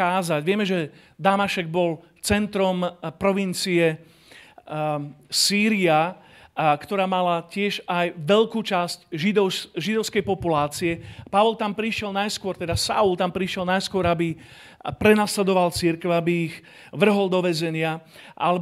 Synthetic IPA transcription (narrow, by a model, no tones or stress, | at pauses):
aːzaɟʋɪɛmɛʒɛ | d̪amaʃɛɡ̚bɔl | t͡sɛnt̪ɾɔmpɾɔʋint͡siɛ | siːɾia | kt̪ɔɾaːmalacɪɛʒajʋɛʎkuːt͡ʃascʒid̪ɔʒid̪ɔʊskɛjpɔpulaːt͡siɛpaʋɔlt̪ampɾiʃɪɛlnajskʊɔɾt̪ɛd̪asa̰ult̪ampɾiʃjɛlnajskʊɔɾabi | pɾɛnaːslɛd̪ɔʋalt͡siɾkɛʋʊabiːɣ | ʋr̩ɦɔld̪ɔʋɛzɛɲɪa | ʔalɛ